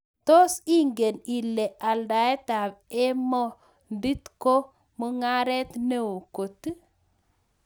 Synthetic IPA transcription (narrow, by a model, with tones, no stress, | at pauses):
to˦si˦ŋɡe˨ni˨le˨ʔa˨lda˨e˦ta˨be˦mɔ˦ | ndi˦tko˦ | mu˦ŋa˦ɾe˦tne˦wo˨ko˨t